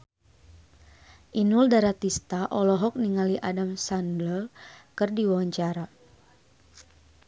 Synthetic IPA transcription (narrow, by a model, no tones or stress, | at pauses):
ʔinuldaɾat̪ist̪aʔɔlɔɦɔk̚niŋaliʔadamsandləlkɨrdiwawaɲt͡ʃaɾa